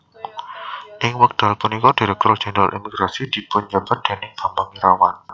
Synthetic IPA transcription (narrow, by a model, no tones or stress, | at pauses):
ʔɪŋwək̚d̥a̤lpunikɔd̥iɾɛk̚t̪ɔr̥d͡ʒ̥ɛnd̪ɾa̰lʔḭmiɡ̥ɾasid̥i̤bʊɲd͡ʒab̥a̤t̪̚d̥a̤nɪŋ̚ɡ̥ambaŋiɾawan